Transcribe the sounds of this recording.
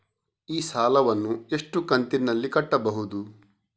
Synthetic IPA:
iːsaːlɐʋɐnːue̞ʂʈukɐnt̪inːɐlːikɐʈːɐbɐɦud̪u

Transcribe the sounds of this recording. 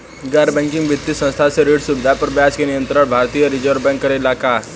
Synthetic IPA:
ɡɛːɖbɛ̃ːŋkɪ̃ŋɡbɪt̪ːisɐ̃nst̪ʰaseɾeːɽsubɪd̪ʱapɐɾbjaːskenɪjə̃nt̪ɾəɽ̃bʱaːɾt̪ijəɾɪd͡ʒəɾbɛ̃ŋkːəɾɪlaːka

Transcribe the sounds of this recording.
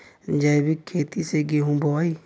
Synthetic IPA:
d͡ʒabikʰeːt̪iseɡeɦũbɔi

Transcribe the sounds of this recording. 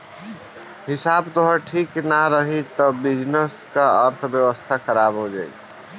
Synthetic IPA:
ɦɪsabd̪oɦəʈʰiːknaɾəɦit̪ɔbid͡ʒnəskaəɾt̪ʰbjəʋəst̪ʰaxəɾabɦod͡ʒa̰ːḭ

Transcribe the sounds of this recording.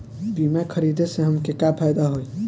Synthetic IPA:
bimekʰəɾid̪ʱeseɦəmkekapʰajd̪aɦoj

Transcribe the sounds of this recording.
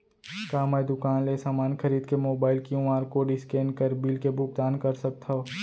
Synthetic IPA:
kaːməjd̪ʊkaːnlesaːmaːnxʰɐɾiːd̪kemoːbaːɪlkiũaːɾkoɖɪskeːnkəɾbiːlkebʊk̚d̪aːnkɐɾsɐk̚t̪ʰa

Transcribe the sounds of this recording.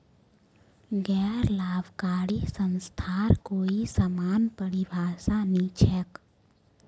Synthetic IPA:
ɡɛːɾlaːbʱkaːɽisə̃nst̪ʰaːɾkoːisəmaːnpəɽibʱaːsanit͡ʃʰɛk

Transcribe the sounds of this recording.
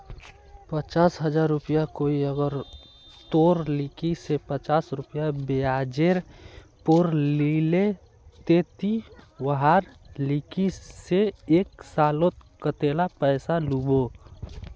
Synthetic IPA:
pət͡ʃaːsɦəd͡ʒaːɾːupijakoiəɡəɾ | t̪oɾlikisepət͡ʃaːsɾupijabead͡ʒeɾ | poɾlile | t̪et̪iwəɦaɾlikiseeksaːlot̪kət̪elapəɪsalubo

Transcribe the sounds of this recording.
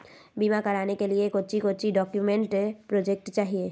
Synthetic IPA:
bimakɐɾaːnekeliekot͡ʃikot͡ʃiɖɔːkjumẽɳʈpɾoːd͡ʒek̚ʈt͡ʃaːɦie

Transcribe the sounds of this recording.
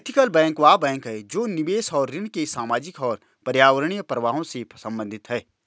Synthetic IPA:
et̪ʰɪkəlbɛ̃ːŋkʋaːbɛ̃ːŋkɦɛːd͡ʒoːnɪbeːsɔːɾːɪnkesaːmaːd͡ʒɪkɔːɾ | pɐɾjaːʋəɾəɽ̃ijəpɾəʋaːɦõsesɐ̃mbə̃nd̪ʱɪt̪ɦɛː

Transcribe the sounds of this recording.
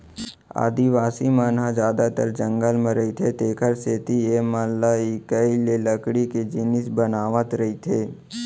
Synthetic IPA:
a̰ːd̪iʋaːsimaːnɦad͡ʒjaːd̪at̪ə̰ɾd͡ʒə̃ŋɡəlməɾəit̪ʰet̪eːkʰəɾseːt̪iemalːaikaileləkɽiked͡ʒɪnɪsbənaːʋət̪ɾɐɦit̪ʰeː

